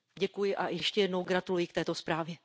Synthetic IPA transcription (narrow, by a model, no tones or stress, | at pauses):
ɟɛkujɪʔajɛʃcɛjɛdnowɡɾat̪ulujɪkt̪ɛːt̪o̞spɾaːvjɛ